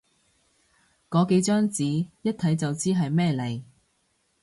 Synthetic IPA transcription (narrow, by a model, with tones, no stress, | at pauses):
kɔː˨˧ke˨˧˥jt͡ʃœː˥ŋt͡siː˨˥jɐ˥t̚t̪ʰɐ˨˥jt͡sɐ˨wt͡siː˥ɦɐ˨jmɛː˥le˨˩j